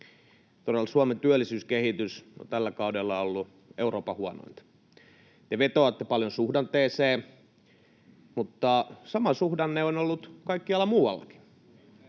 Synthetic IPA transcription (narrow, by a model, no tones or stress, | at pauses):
t̪oɾelsuɑment̪yælːˑisyːskehit̪yso̰t̪ælːækɑudelːɑolːu | euroːpɑhuɑno̰int̪ | t̪eʋet̪oɑt̪ːepɑljonsuhdɑnt̪eːseː | mut̪ːɑsɑmɑsuhdɑnneonolːut̪kɑikːiɑlːɑmuːwɑ̰lːɑ̰ki̥